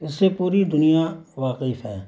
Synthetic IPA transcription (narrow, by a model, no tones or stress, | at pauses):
ɪsːepuːɾid̪ʊnijaʋaːqɪfɦɛː